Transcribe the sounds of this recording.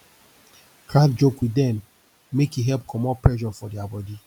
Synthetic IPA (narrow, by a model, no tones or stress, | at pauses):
kʰɹãdd͡ʒokwidɛ̃mː | ekjiɦɛlp̚kʰɔmɔ̃pɹɛʃɔfɔdɛabɔdi